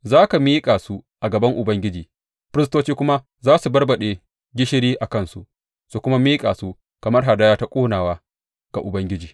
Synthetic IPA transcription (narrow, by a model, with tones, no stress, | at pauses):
zaː˦ka˨miː˦kʼaː˨su˦ʔa˨ɡɐ˨bɐ˦ŋʔʊ˨bɐ˦ŋɡʲɪ˦d͡ʒiː˨ | ɸɪ˦ɾɪ˦s̬toː˦t͡ʃiː˦kʷʊ˦ma˦ | zaː˦su˨bɐ˦rbɐ˨ɗeː˨ | ɡʲɪ˦ʃɪ˦ɾiː˦ʔa˨kɐ˦˨nsṵ˨ | su˨kʷʊ˦ma˦miː˦kʼaː˨su˦ | kɐ˨mɐ˦rɦa˨da˦jaː˦ta˦kʷʼoː˦naː˨waː˦ | ɡ̥a̰˨ʔʊ˨bɐ˦ŋɡʲɪ˦d͡ʒiː˨